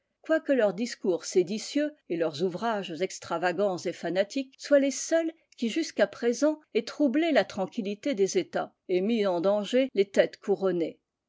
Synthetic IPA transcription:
kwakəlœʁd̪iskuʁsed̪isjøelœʁzuvʁaʒzɛkst̪χavaɡɑ̃zefanat̪ikswalesœl | kʲiʒyskapχezɑ̃ɛt̪χublelat̪χɑ̃kʲilit̪ed̪ezet̪a̰ | emizɑ̃d̪ɑ̃ʒelet̪ɛt̪kʰuʁɔne

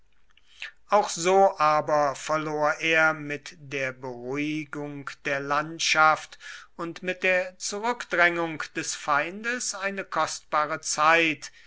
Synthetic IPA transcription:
ʔaʊxz̥oːʔaːbɐfɛɐloːɐʔeːɐmɪtd̥eːɐbəʁʊɪɡʊŋkd̥eːɐlantʃaftʊntmɪt̚d̥eːɐt͡suʁʏkd̥ʁɛŋʊŋkd̥ɛsfaɪndəsaɪnəkʰɔst̚b̥aːʁət͡saɪt

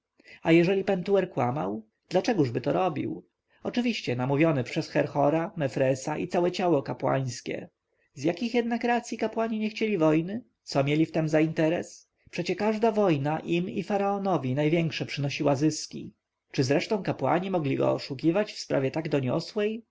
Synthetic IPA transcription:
ajɛʐɛlʲipɛnt̪uɛɾkwa̰ma̰w | d̪̥lat͡ʂɛɡuʐbɘt̪ɔɾɔbʲḭw | ɔt͡ʂɘvʲiɕt͡ɕɛnamuvʲjɔnɛpʂɛsxɛɾxɔɾamɛfɾɛsaʔḭt̪sawɛt͡ɕawɔkapwa̰j̃skʲɛ̰ | zjakʲixjɛd̪nakɾat̪sʲjikapwaɲiɲɛxt͡ɕelʲivɔjnɘ | t̪sɔmʲjelʲift̪ɛmzaint̪ɛɾɛ̰s | pʂɛt͡ɕɛkaʐd̪avɔjnaʔimḭfaɾaɔnɔvʲinajvʲjɛŋkʂɛpʂɘnɔɕiwazɘskʲḭ | t͡ʂɘzɾɛʂt̪ɔ̃w̃kapwa̰ɲimɔɡlʲiɡɔ̰ːʂukʲivat͡ɕfspɾavʲjɛt̪aɡd̪ɔɲɔ̰swɛj

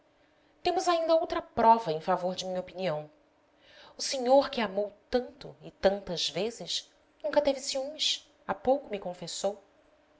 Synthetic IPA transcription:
t̪ẽmʊzaĩnd̪ɐowt̪ɾɐpɾɔvɐẽj̃favoɾd͡ʒɪmĩɲɐopiniɐ̃w̃ | ʊseɲoɾkɪamowt̪ɐ̃nt̪ʊɪt̪ɐ̃nt̪ɐz̥vezɪʃ | nũŋkɐt̪evɪsiũmɪs | apowkʊmɪkõfesow

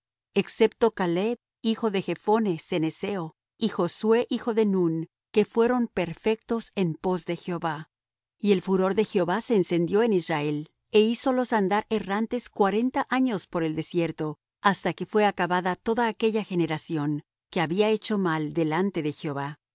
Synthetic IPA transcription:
e̞kse̞p̚t̪o̞kaleβ | ixo̞ðe̞xe̞fo̞ne̞se̞neseo | ixo̞swe̞ʔixo̞ðe̞nun | ke̞fwe̞ɾo̞mpe̞ɾfe̞k̚t̪o̞se̞mpo̞zðe̞xeoβa | ie̞lfuɾo̞ɾðe̞xeo̞βase̞ːnsend̪jo̞e̞nisrae̞l | e̞iso̞lo̞sand̪aɾe̞rant̪e̞skwaɾe̞nt̪aʔaɲo̞spo̞ɾe̞ld̪e̞sje̞ɾt̪o̞ | ast̪ake̞fwe̞akaβaðat̪o̞ðaːke̞ʝaxe̞ne̞ɾasjo̞ŋ | ke̞aβiae̞t͡ʃo̞mald̪e̞lant̪e̞ðe̞xeo̞βa

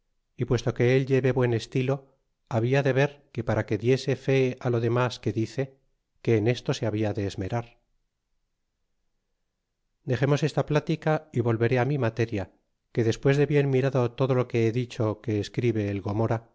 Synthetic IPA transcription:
ipwe̞st̪o̞ke̞elʎe̞βe̞βwe̞ne̞st̪ilo̞ | aβ̞iaðe̞βe̞ɾke̞paɾake̞ðje̞se̞fe̞alo̞ðe̞maske̞ðiθe̞ | ke̞ːne̞st̪o̞se̞aβiaðe̞ːzme̞ɾaɾ | d̪e̞χe̞mo̞se̞st̪aplat̪ikaiβo̞lβe̞ɾe̞amimat̪e̞ɾja | ke̞ðe̞spwe̞zðe̞βjenmiɾaðo̞t̪o̞ðo̞loke̞eðit͡ʃo̞ke̞ːskɾiβe̞ːlɣo̞mo̞ɾa

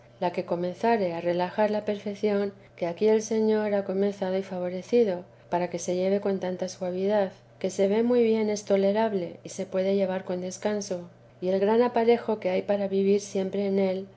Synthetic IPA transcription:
lake̞ko̞mẽ̞nθaɾe̞are̞laxaɾlape̞ɾfe̞kθjo̞ŋ | keakie̞lse̞ɲo̞ɾako̞me̞nθað̞oifaβ̞o̞ɾe̞θið̞o̞ | paɾake̞se̞ʝe̞βe̞ko̞nt̪ant̪aswaβ̞iðað | ke̞se̞βe̞mujβje̞ne̞st̪o̞le̞ɾaβle̞ise̞pwe̞ðe̞ʝe̞β̞aɾko̞nd̪e̞skanso̞ | ie̞lɣɾanapaɾe̞xo̞ke̞ajpaɾaβiβ̞iɾsje̞mpɾe̞ːne̞l

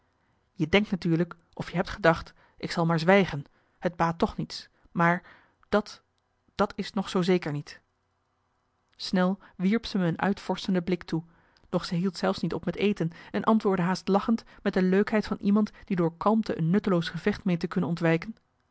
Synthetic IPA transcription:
jədɛŋktnatyːɹlək | ʔɔfjəɦɛp̚tχədɑχt | ʔɪksɑlˠmaːɹzʋɛjχən | həd̚baːtːɔχnits | maːɹ | dɑt | d̥ɑtɪsnɔχsowzejkəɹnit | snɛlˠʋiɹpsəməənʔœ̰ɥtfɔɹsəndəblɪktu | d̥ɔχsəɦilˠtsɛlˠfsnitɔpmɛtejtənɛnʔɑntʋʊːɹdəɦaːstlɑχəntmɛt̚dəløɥkɦɛjtfɑnʔimɑntd̥idʊːɹkɑlˠmtəʔənːɵtəlowsχəv̥ɛχtmeːjntəkɵnənɔntʋɛjkən

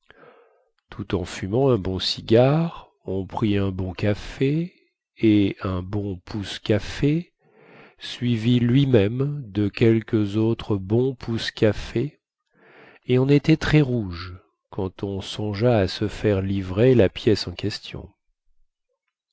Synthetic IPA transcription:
t̪ʰut̪ɑ̃fymɑ̃ɛ̃bɔ̃siɡʲaʁ | ɔ̃pχiɛ̃bɔ̃kafe | eɛ̃bɔ̃pʰuskafe | sɥivilɥimɛmd̪əkʲɛlkʲəzot̪χəbɔ̃pʰuskʲafe | eɔ̃net̪ɛt̪χɛʁuʒ | kɑ̃t̪ɔ̃sɔ̃ʒaːsəfɛʁlivʁelapjɛsɑ̃kʲɛst̪jɔ̰̃

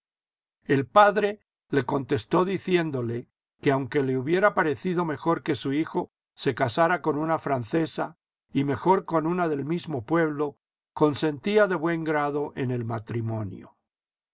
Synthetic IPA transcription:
e̞lpaðɾe̞ | le̞ko̞nt̪e̞st̪o̞ðiθje̞nd̪o̞le̞ | ke̞awŋke̞le̞uβje̞ɾapaɾe̞θiðo̞me̞xo̞ɾke̞suixo̞ | se̞kasaɾako̞nunafɾanθe̞sa | ime̞xo̞ɾko̞nunaðe̞lmizmo̞pwe̞β̞lo̞ | ko̞nsẽ̞nt̪iaðe̞βwe̞ŋɡɾaðo̞ʔe̞ne̞lmat̪ɾimõ̞njo̰

